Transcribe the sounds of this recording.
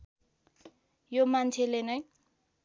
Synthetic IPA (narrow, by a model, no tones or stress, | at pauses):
jomant͡sʰelenʌj